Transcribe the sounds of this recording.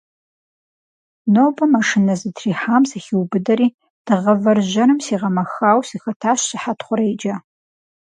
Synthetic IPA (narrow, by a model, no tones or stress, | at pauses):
nowbɐmɐʂɨnɐzɨtʰriːħamsɐxʲiwbɨdɐɾiː | d̥ɨʁɐvɐrʒɐnɨmsiːʁɐmɐxaːwsixɐtʰaːʃsɨħatʰχʷʊɾejd͡ʒɐ